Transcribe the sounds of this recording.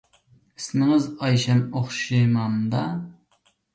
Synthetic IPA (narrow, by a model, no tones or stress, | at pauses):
ismɪŋɪzɑjʃɛmoχʃʃimɑmd̪ɑ